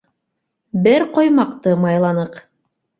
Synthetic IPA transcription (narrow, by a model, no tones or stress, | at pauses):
bɘɾqojmɑqt̪ɤmɑjlˠɑnɤq